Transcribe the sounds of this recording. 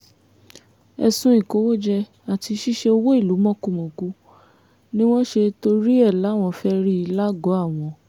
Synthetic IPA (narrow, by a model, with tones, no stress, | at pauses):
ɛ̰˧sũ˧i˨ko˨˦wo˦d͡ʒɛ˧ | a˨ti˧ʃi˦ʃe˧o˧wo˦i˦˨lu˨˦mɔ̃˦ku˧˨mõ˨ku˨˦ | nĩ˦w̃ɔ̃˦ʃe˧to˧ɾi˦ɛ˦˨la˨˦˨w̃ɔ̃˧fɛ˦ɾi˦i˧la˦ɡɔ˨˦a˦˨w̃ɔ̃˧